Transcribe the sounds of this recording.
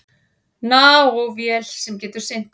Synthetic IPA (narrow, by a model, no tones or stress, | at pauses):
naːwɔɣvjɛlsɛmcɛːt̪ʏɾ̥sɪn̥t̪